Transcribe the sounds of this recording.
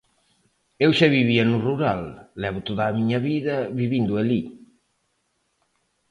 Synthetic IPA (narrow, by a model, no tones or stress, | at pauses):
ewʃaβiβianuruɾalːɛβʊt̪oðaːmiɲɐβiðɐβiβind̪ueli